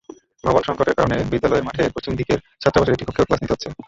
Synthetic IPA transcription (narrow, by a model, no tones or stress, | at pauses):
bʱɔbonʃɔŋkoʈeɾkaɾonebid̪ːalɔeɾmaʈʰepɾot͡ɕʰimd̪ikeɾ | d͡ʑat̪ːɾobat͡ɕʰoɾeʈikokʰːeoklasnit̪eɦotːɕʰe